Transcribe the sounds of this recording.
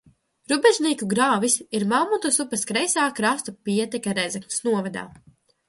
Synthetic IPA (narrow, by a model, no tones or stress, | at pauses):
ɾubɛʒnʲiːkuɡɾaːvisiɾmawmut̪usupɐskɾɛjsaːkɾast̪upʲiɛt̪ɛkʲaɾɛzɛkmsnuɔvad̪a̰ː